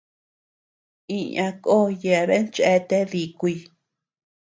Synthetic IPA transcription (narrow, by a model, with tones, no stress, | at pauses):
ĩ˧ã˧ko˦˨je˧˨˧βe˦nt͡ʃe˦t̪e˦ði˨kʷi˧